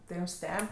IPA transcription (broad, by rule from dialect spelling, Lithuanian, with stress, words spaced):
tɐɪ ˈjuːm ˈsʲtʲɛpʲ